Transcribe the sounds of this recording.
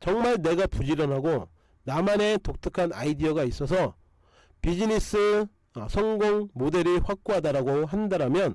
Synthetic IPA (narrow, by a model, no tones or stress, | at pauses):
t͡ɕʌŋmaɭne̞ɡapud͡ʑiɾʌnɦaɡo | namane̞tok̚tʰɯkʰana̰idiʌɡais͈ʌs̬ʰʌ | pid͡ʑinis͈ɯ | sʰʌŋɡoŋmode̞ɾiɸwak̚k͈oɦadaɾaɡoɦandaɾamjʌn